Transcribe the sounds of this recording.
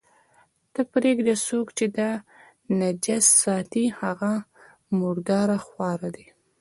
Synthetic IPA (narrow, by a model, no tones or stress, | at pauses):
d̪̥əpɾeɡd̪esokt͡ʃed̪ɑ | nad͡ʒasːɑt̪ihaɣa | mʊɾd̪ɑɾaxwɑɾad̪i